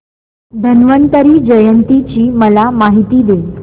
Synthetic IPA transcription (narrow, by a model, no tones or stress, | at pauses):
d̪ʱənʋənt̪əɾiːd͡ʑəjənt̪it͡ɕiːməlamaɦit̪iːd̪e